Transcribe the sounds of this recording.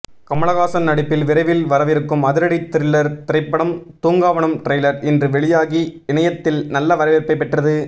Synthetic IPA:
kɐmɐɭɐɣaːsɐnnɐɽɪpːɪlʋɪɾɐɪʋɪlʋɐɾɐʋɪɾɯkːɯmɐðɪɾɐɽɪt̪ːɪɾɪlːɐɾt̪ɪɾɐɪpːɐɽɐmt̪uːŋɡaːʋɐɳɯmʈɾɐjlɐɾɪndrɯʋɛɭɪjaːɣiɪnɐjɐt̪ːɪlnɐlːɐʋɐɾɐʋɪɾpːɐɪpːɛʈrɐðɯ

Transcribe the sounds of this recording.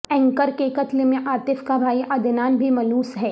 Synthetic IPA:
ɛ̃ŋkəɾkekɐt̪lemẽʔaːɾt̪ɪfkabʱaːiʔɐd̪ɪnaːnbʱimɐluːsɦɛː

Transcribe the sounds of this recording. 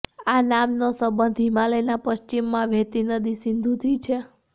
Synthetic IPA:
anamnosəbənd̪ʱimaləjnapəʃt͡ʃimːãʋʱet̪inəd̪isɪ̃nd̪ʱut̪ʰit͡ʃʰe

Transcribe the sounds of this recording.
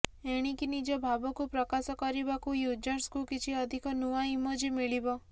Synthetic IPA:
eɽ̃ikinid͡ʒɔbʱabɔkupɾɔkasɔkɔɾibakujud͡ʒɔɾskukit͡ʃʰiɔd̪ʱikɔnuaimod͡ʒimiɭibɔ

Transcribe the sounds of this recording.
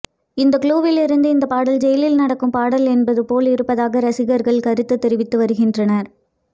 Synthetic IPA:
ɪnd̪ɐkɭuːʋɪlɪɾɯnd̪ɯɪnd̪ɐpaːɽɐld͡ʒɛjɐlɪlnɐɽɐkːɯmpaːɽɐlɛnbɐðɯpoːlɪɾɯpːɐðaːɣɐɾɐsɪɣɐɾɣɐɭkɐɾɯt̪ːɯt̪ːɛɾɪʋɪt̪ːɯʋɐɾɯɣɪndrɐnɐɾ

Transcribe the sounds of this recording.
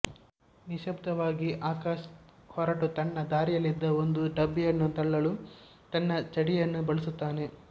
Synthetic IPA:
niʃɐb̚t̪ɐʋaːɡiʔaːkaːʃ | hɔːɾaːʈut̪ɐnːɐd̪aːɾijɐlid̪ːɐond̪uɖɐbːijɐnːut̪ɐɭːɐlu | t̪ɐnːɐt͡ʃɐɽijɐnːubɐɭisut̪ːaːne̞

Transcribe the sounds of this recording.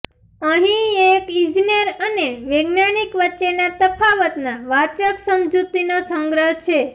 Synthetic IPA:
əɦĩekid͡ʒinəɾəneʋeɡnanikʋətːʃenat̪əpʰaʋət̪naʋat͡ʃəksəmd͡ʒut̪inosə̃ŋɡɾəɦt͡ʃʰe

